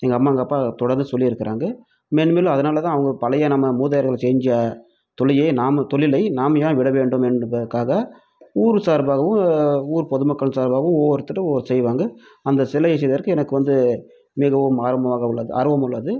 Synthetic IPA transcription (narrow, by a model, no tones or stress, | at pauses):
ɛŋɡɐːmːaːɐŋɡɐpːat̪ɔɽɐɾnd̪ɯsɔlːɪɪɾɯkːɪɾʔaːŋɡɐ | meːnɯmeːlɐ̃ɐðɐnaːlɐt̪ãːɐʋɐŋɡɐpɐlɐjɐnɐmːɐmuːðɐjɐɾɣɐɭsɛːɲd͡ʒjɐ | t̪ɔɭɪjɐɪnaːmɐt̪ɔɭɪlɐɪnaːmɐjãːʋɪɽɐʋeːɳɖɯmɛnpɐðɐkːaːɣɐ | uːɾɯsaːɾbaːɣɐʋɯ̃uːɾɯpɔðɯmɐkːɐɭɯsaːɾbaːɣɐʋɯoːɾɯt̪ːɯʈːɐoːɾsɛjʋaːŋɡɐ | ɐnd̪ɐsɪlɐjɛs̬ɛjðɐðɐɾkːɯɛnɐkːɯʋɐnd̪ɯ | mɪɣɐʋɯmaːɾɐmbɐʋaːɣɐʊɭːɐðɯ̰ʔɐ̰ɾɯʋɐmʊɭːɐðɯ